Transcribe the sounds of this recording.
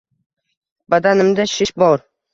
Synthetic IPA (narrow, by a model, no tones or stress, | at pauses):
bad̪anɪmd̪aʃɪʃbɒɾ